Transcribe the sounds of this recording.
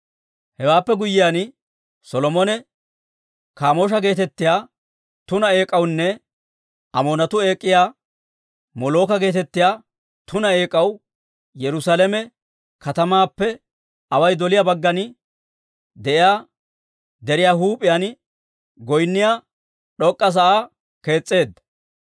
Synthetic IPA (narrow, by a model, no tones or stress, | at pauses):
hɛwaːpːɛɡʊjːɪjaːn | sɔlɔmɔnɛ | kaːmo̞ːʃ̬ɐɡe̞ːt̪ɛt̪ːɪjaː | t̪ʊnɐe̞ːkʼːɐwnːɛ | ɐmoːnɐt̪ʊe̞ːkʼːɪjaː | mɔloːkɐɡe̞ːt̪ɛt̪ːɪjaː | t̪ʊnɐe̞ːkʼːɐw | jɛɾʊsaːlɛmɛ | kɐt̪ɐmaːpːɛ | ɐwɐjd̪ɔlɪjaːbɐɡːɐnɪ | d̪ɛʔɪjaː | d̪ɛɾɪjaːɦuːpʼːɪjan | ɡɔjnːɪjaː | ɗɔkʼːɐs̬ɐʔaː | ke̞ːt͡sʼːe̞ːd̪ːɐ̥